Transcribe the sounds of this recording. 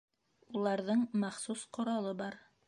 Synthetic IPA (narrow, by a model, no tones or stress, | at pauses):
ulˠɑɾðɤɴmɑχsusqŏɾɑlˠɤbɑɾ